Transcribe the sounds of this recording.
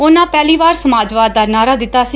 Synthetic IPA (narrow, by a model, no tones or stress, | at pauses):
onãːpɛːliːʋaːɾsəmaːd͡ʒʋaːd̪ːaːɾnaːɾaːd̪ɪt̪ːaːsiː